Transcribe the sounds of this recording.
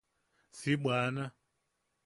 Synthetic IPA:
siɓwaːna

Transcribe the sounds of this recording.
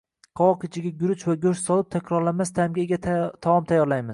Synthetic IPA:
qʰɒwɒkʲʰɪt͡ʃʰɪɡʲaɡʲʊɾʊt͡ʃʰvaɡʲʊʃsɒlˠɪp̚t̪ʰakʲɾɒɾlamast̪ʰamɡʲaɡʲatt̪ʰaɒmt̪ʰajːɒɾlajmɪz̥

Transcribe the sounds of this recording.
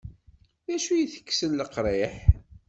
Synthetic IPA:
ðæʃujiθə̥kːsənləqɾˤeħ

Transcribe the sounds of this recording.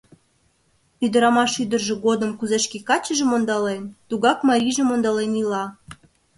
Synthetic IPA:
yd̪ə̆ɾɑmɑʃyd̪ə̆rʒĕɡod̪ə̆mkuzeʃkikɑt͡ɕə̆ʒĕmond̪ɑlent̪uɣɑkmɑɾʲiʒĕmond̪ɑlenilɑ

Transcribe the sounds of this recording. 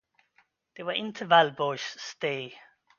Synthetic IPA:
ð̥ewəʔɪ̃ntʰəvalbɔʃsteː

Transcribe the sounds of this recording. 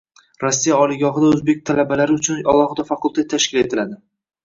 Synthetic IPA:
ɾasːijaɒlˠɪɡʲɒɦɪd̪aɵzbe̞k̚ʲt̪ʰalabalaɾɪʊt͡ʃʰʊnalˠɒhɪd̪afakʊlˠt̪at̪ʰːaʃkʲɪle̞t̪ʰɪlad̪ɪ

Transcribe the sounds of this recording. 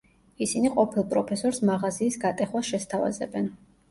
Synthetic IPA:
isiniqʼɔpʰilˠpʼɾɔpʰɛsɔɾsmaʁaziːsɡat̪ʼɛχwasʃɛst̪ʰava̰zɛ̰bɛn

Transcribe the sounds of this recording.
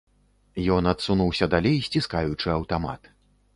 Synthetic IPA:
jɔnɐt̪sunuwsʲɐd̪alʲejsʲt͡sʲiskajut͡ʂɨɐwt̪ama̰t̪

